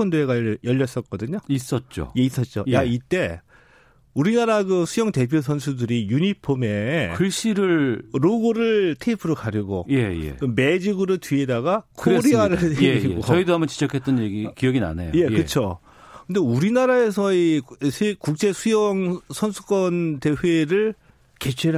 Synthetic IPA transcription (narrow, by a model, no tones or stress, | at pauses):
ʌndoeɡajʌʎːʌs͈ʌt̚k͈ʌdɯɲois͈ʌt̚t͡ɕ͈o̰je̞is͈ʌt̚t͡ɕ͈o̰jjait͈e̞ | uɾinaɾaɡɯsʰujʌŋte̞pʰjosʰʌns̬ʰudɯɾijuɲipʰome̞kʰɯɭɕ͈iɾɯɭɾoɡɯɾɯɭtʰeipʰɯɾokaɾjuɡo̰je̞jḛkɯme̞d͡ʑiɡɯɾɯtɥiedaɡakʰoɾiaɾɯɭioʌidoɦambʌnt͡ɕi̥d͡ʑʌkʰett͈ʌnjeɡikiʌɡina̰najoje̞kɯt͡ɕʰo | kɯnde̞uɾinaɾaesʰʌisʰekuk̚t͡ɕ͈e̞sʰujʌŋsʰʌnsʰu̥k͈ʌnte̞ɸeɾɯɭ | ke̞t͡ɕʰeɾ